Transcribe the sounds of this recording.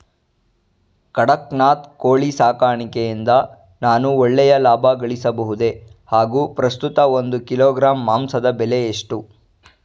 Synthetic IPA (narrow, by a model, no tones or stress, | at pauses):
kɐɽɐknaːt̪koːɭisaːkaːɳikejind̪ɐ | naːnuɔɭːɛjɐlaːbʱɐɡɐɭisɐbɐɦud̪e̞haːɡuːpɾɐst̪ut̪ɐond̪ukiloːɡɾaːmːaːmsɐd̪ɐbɛleːʂʈu